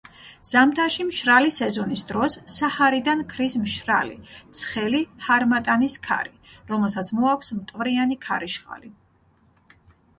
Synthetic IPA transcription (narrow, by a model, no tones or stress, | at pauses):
z̥amt̪ʰaʃimʃɾalisɛzɔnisd̪ɾɔsːahaɾid̪ankʰɾismʃɾa̰lḭt̪sʰχɛlihaɾmat̪ʼaniskʰa̰ɾiɾɔmɛlˠsat̪sʰmɔakʷʰsmt̪ʼvɾianikʰaɾiʃχʼa̰li